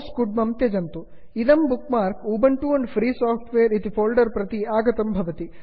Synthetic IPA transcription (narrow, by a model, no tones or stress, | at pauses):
skuɖ̚mɐmt̪jɐd͡ʒɐnt̪u | id̪ɐmbukmaːɾkuːbɐɳʈuɐɳɖpʰɾiːsaːpʰʈʋeːɐɾit̪ipʰoːlɖɐɾpɾɐt̪iaːɡɐt̪ɐmbʱɐʋɐt̪i